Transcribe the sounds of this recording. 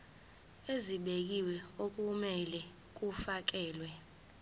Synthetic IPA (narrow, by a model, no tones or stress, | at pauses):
eziɓek̬iwɛok̬ʼumɛlɛ | k̬ufak̬ɛːlwɛ